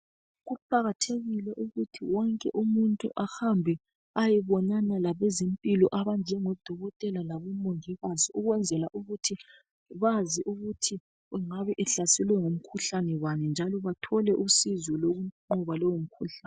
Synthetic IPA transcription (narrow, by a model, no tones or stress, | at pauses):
ɣupʰʼaɣatʰeɣilɛʔuɣutʰiwɔŋkʼɛ̰ʔumuntʼuʔahambʱɛ | ajɛβɔnanalaβɛzempʼilɔʔaβand͡ʒʱɛŋɔd̥ʱɔɣɔtʼɛlalaβumoŋiɣaziuɣwɛnd͡zʱɛlaʔuɣutʰi | βaziʔuɣutʰi | uŋaβɛʔɛɬasɛlwɛŋom̩kʰuɬanɛwanɛnd͡ʒʱalɔβatʰɔlɛʔusizwɔloɣuǃɔβalɔwom̩kʰuɬan